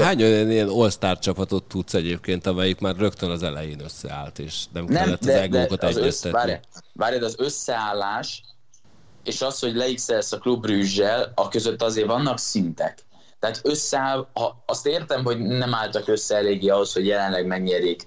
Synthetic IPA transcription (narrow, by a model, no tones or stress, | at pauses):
aːɲojɒniɛno̞lst̪aːrt͡ʃɒpɒt̪ot̪ːut̪sɛɟeːp̚keːnt̪ɒmɛjikmaːrrøkt̪ønɒzɛlɛ̰jeːnøsːɛ̰a̰ːlt̪eːʃnɛmnɛmlːɛt̪d̪ːɛzɛɡloːkot̪ɛzɛst̪ɛvaːɾjvaːɾjɒd̪ɛɒzø̞sːɛaːlːaːʃ | eːʃɒsho̞ɟlɛiksɛsɒklubːryːʒːɛlɒkø̞zøt̪ːɒzeːrvɒnːɒksint̪ɛk | t̪ɛɦaːt̪ø̞sːɛaːlhɒɒst̪eːrt̪ɛmɦo̞ɟnɛmaːlt̪ɒkø̞sːɛɛleːɡiɒɦo̞sho̞ɟjɛlɛnlɛɡmɛɡɲɛɾiːk